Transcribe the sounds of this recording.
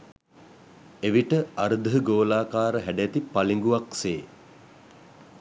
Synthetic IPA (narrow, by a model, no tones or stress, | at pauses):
eʋiʈəaɾd̪əɦəɡoːlaːkaːɾəɦæɖejæt̪ipaliŋɡuʋakseː